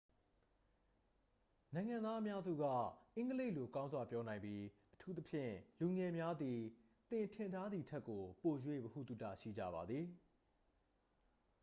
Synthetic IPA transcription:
nã˨ɪ̃ŋã˨nd̪a˦ʔə˦mja˦zṵ˦˨ɡa̰˦˨ʔɪ̃˦ŋɡəle˦ɪʔlo˨kã˦ʊ̃nzwa˨pjɔ˦nã˨ɪ̃mbi˦ʔətʰu˦t̪ə˦pʰjɪ̰̃˦˨lu˨ŋɛ˨mja˦d̪i˨ | t̪ɪ̃˨ntʰɪ̃˨ntʰa˦d̪i˨tʰɛ˦kːo˨po˨jwe˦˨bəhṵ˦˨t̪ṵ˦˨tä̰˦˨ʃḭ˦˨d͡ʑä̰˦˨ba˨d̪ði˨

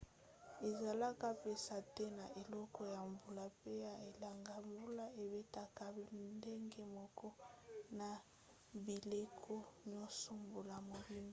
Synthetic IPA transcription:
e˨za˨la˦ka˦pe˨sa˨tɛ˦na˨ʔe˨lɔ˦kɔ˦ja˨ɱbu˨la˦pe˦ja˨e˨la˨ŋɡa˨ɱbu˦la˦e˨be˦ta˨ka˨nde˦ŋɡe˦mɔ˨kɔ˦na˨ | bi˨le˦kʰo˦ɲɔ˦sɔ˨mbu˨la˨mo˨bi˦m˦

